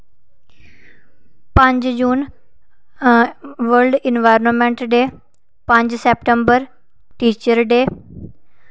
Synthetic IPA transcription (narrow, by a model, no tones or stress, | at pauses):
pə̃ɲd͡ʒd͡ʒuːn | ʋəɾlɖɪnʋaːjɾnəmɛ̃ɳʈɖeː | pə̃ɲd͡ʒsɛːpʈəmbəɾ | ʈiːt͡ʃəɾɖeː